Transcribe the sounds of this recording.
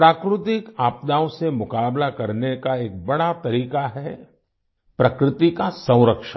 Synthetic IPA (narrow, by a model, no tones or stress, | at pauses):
pɾaːkɾʊt̪ɪkaːp̚d̪aːõsemʊkaːblakɐɾnekaeːk̚bɐɽat̪ɐɾiːkaɦɛ | pɾɐkɾɪt̪ikasɐ̃w̃ɾəkʃa